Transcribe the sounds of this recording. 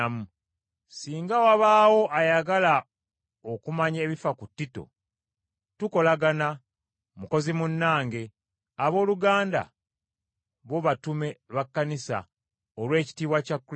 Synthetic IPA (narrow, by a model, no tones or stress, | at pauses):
mu | siːŋɡawaβaːwo̞ʔajaɡala | okumaɲe̞ːβifakutːito̰ | tuko̞laɡana | muko̞zimunːaːŋɡe̞ | aβo̞ːluɡaːnda̰ | βo̞βatume̞βakːanisa̰ | olwe̞ːci̥tiːβwacakː